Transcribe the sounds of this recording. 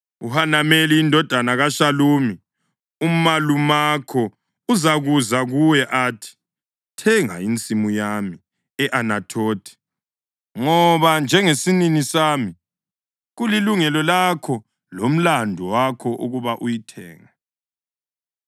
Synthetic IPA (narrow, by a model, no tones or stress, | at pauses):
uhanameliːndʱɔd̥ʱanaɣaʃaluːmi | umalumakʰɔ | uzaɣuzaɣujɛʔaːtʰi̥ | tʰɛŋa̰int͡sʼimujami | ɛʔanatʰoːtʰi̥ | ŋɔβand͡ʒʱɛŋesininisaːmi | ɣuliluŋɛlɔlakʰɔ | lom̩landʱuwakʰɔʔuɣuβaʔujitʰɛ̰ːŋa